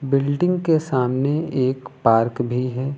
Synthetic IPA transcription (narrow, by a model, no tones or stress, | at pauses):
bɪlɖɪ̃ŋɡkesaːmneeːkpaːɾkbʱiɦɛː